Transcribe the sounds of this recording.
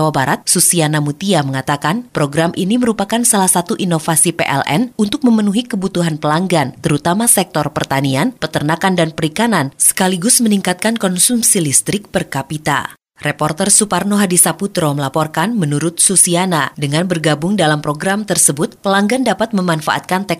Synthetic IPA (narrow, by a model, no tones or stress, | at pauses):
wabaɾat̪̚susianamut̪iaməŋat̪akanpɾoɡɾamʔiniməɾupakansalahsat̪uʔinofasipḛʔɛ̰lʔɛ̰nunt̪ʊk̚məmənuɦikəbut̪uɦanpəlaŋɡant̪əɾut̪amasɛk̚t̪ɔrpərt̪anianpət̪ərnakandanpəɾikanansə̥kaliɡʊsməniŋkat̪̚kankɔnsumsilist̪ɾɪk̚pərkapit̪a̰ | repɔrt̪ərsuparnoɦadisaput̪ɾoməlapɔrkanmənuɾʊt̪̚susianadəŋanbərɡabʊŋdalampɾoɡɾamt̪ərsəbʊt̪̚pəlaŋɡandapat̪̚məmanfa̰ʔa̰t̪̚kant̪ɛ